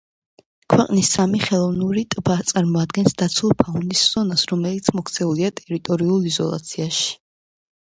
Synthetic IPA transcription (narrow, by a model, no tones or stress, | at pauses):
kʰwɛqʼnisːamiχɛlˠɔvnuɾit̪ʼbat̪sʼaɾmɔad̪ɡɛnsd̪at̪sʰwulˠpʰaund̪isz̥ɔnasɾɔmɛlit̪sʰmɔkʰt̪sʰɛuliat̪ʼɛɾit̪ʼɔɾiulˠizɔ̰lˠa̰t̪sʰiaʃi̥